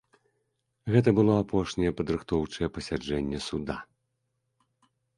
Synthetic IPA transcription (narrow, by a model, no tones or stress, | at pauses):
ɣɛt̪ɐbɨlˠɔapʰɔʂnʲɛjɛpɐd̪ɾɨxt̪ɔwt͡ʂɐjɛpɐsʲad͡ʐɛnʲːɛsud̪a